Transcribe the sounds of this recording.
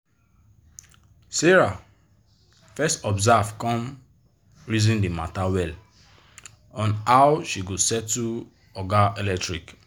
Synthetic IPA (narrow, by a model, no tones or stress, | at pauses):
sɛɹa | fɛstɔbzavkɔ̃m | ɹizĩndimatawɛl | ɔ̃nawʃiɡosɛtːu | ɔɡaelɛk̚tɹik